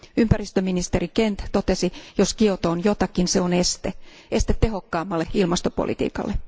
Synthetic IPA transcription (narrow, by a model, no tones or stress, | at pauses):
ympærist̪øminist̪erikent̪t̪ot̪esijoskiot̪oːnjot̪ɑkːinseonest̪e | est̪et̪teɦokːɑːmːɑlːeilmɑst̪opo̰lʔḭt̪ḭːkɑ̰lːe